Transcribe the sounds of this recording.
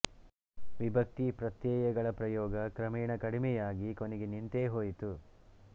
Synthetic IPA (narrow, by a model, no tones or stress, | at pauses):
ʋibʱɐk̚t̪ipɾɐt̪jɛːjɐɡɐɭɐpɾɐjɔːɡɐkɾɐmɛːɳɐkɐɽimɛjaːɡiko̞nɛɡenint̪eːɦoːjit̪u